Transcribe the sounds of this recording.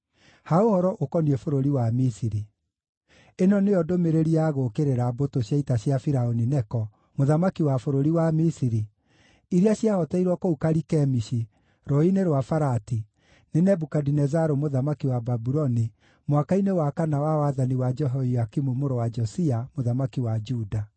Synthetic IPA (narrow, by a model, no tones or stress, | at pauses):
haohɔɾɔʔokɔniefoɾoɾiwamisiɾi | enɔnejɔdomeɾeɾiaɣokeɾeɾabotoɕjaitaɕjafiɾaoninɛkɔ | moðamakiwafoɾoɾiwamisiɾi | iɾiaɕjahɔtɛiɾwɔkoukaɾikɛmiʃi | ɾɔineɾwafaɾati | nenɛbukadinɛzaɾomoðamakiwababuɾɔni | mwakainewakanawawaðaniwad͡ʒɛɦɔiakimumoɾowad͡ʒɔsiamoðamakiwad͡ʒuda